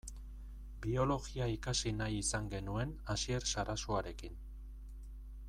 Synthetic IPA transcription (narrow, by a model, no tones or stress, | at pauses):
bio̞lo̞ɣiaikasinajisaŋɡe̞nue̞nasie̞ɾsaɾasoaɾe̞kin